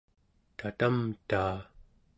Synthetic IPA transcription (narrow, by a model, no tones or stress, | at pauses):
t̪at̪amt̪aː